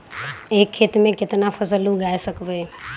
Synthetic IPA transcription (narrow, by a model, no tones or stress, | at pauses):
eːkʰːeːt̪mẽkɪt̪napʰəsəluɡaːesəkbe